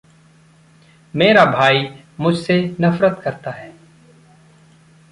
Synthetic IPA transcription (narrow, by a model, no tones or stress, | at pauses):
meːɾabʱaːi | mʊd͡ʒʱsenɐfɾət̪kɐɾt̪aɦɛː